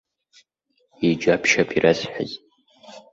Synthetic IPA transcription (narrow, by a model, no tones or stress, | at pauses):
id͡ʒapʰʃapʰirasħa̰z